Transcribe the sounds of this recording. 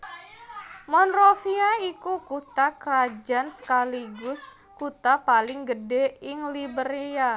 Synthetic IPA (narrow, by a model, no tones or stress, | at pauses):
mɔnrofiaikukut̪akɾad͡ʒansə̥kaliɡʊs | kut̪apalɪŋɡədɛɪŋlibəɾea